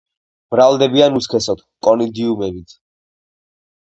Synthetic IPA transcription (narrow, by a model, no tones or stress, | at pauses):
b̥ɾalˠd̪ɛbianuskʰɛsɔt̪ʰkʼɔnid̪iumɛbit̪ʰ